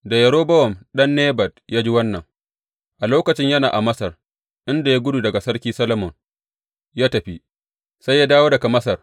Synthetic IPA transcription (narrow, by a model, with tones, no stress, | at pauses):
da˨jɐ˨ɽoː˦bɐ˦wɔ˨mɗɐ˦nːeː˦bɐ˨d̚jaː˦d͡ʒi˦wɐ˦nːɐ˨ŋ | ʔa˨loː˦kɐ˨t͡ʃɪ˦ɲjɐ˦naː˨ʔa˨mɐ˦sɐ˨r | ʔɪ˦nda˨ja˦ɡʷʊ˦du˨dɐ˨ɡa˨sɐ˦ɽkʲiː˦sɐ˦lɐ˦mɔ˨ŋ | jaː˦tɐ˨ɸi˦ | sa˦jːaː˦daː˦woː˦dɐ˨ka˨mɐ˦sɐ˨r